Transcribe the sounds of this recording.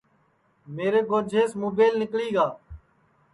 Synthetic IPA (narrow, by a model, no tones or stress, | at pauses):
meːɾeːɡoːɾd͡ʒʱeːsmoːbeːlnɪkliːɡaː